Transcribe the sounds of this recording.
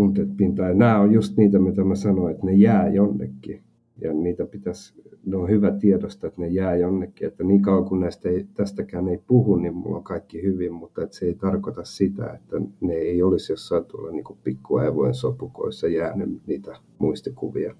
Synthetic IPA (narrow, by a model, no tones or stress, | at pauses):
umut̪et̪pint̪ɑinæːojjust̪niːt̪æmit̪æmæsɑnoet̪nejæːjonːḛkːi | jɑ̰niːt̪æpit̪æs | neohyʋæt̪iedost̪ɑet̪nejæːjonːekːiet̪ːæniːŋkɑuwɑŋkunnæist̪eit̪æst̪ækæːneipuhunnimmṵlːo̰ŋkɑikːihyʋimmut̪ːɑet̪seeit̪ɑrkot̪ɑssit̪æ̰ḛt̪ːæneeiolisjosːɑint̪uo̰lːɑniːŋkuppikːuɑ̰iʋo̰insopuko̰isːɑjæːnḛniːt̪æ | muist̪ikṵʋḭɑ